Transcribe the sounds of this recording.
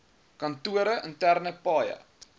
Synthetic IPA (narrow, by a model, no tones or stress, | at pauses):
kɐntuəɾəʔəntærnəpɑːjə̰